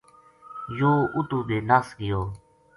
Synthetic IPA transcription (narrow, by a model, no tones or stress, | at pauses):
joːʊt̪uːbeːlasɡɪjoː